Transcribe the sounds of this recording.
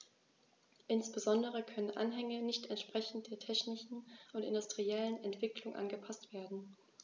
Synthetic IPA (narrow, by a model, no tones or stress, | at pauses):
ʔɪnsb̥əzɔndəʁ̞əkʰœnənʔa̰nɦɛŋənɪçtɛntʃpʁ̥ɛçn̩t̚d̥eːɐtʰɛçnɪʃn̩ʔʊntɪ̰ndʊstʁ̥iɛlənɛntv̥ɪklʊŋʔa̰nɡəpʰastv̥eːɐdn̩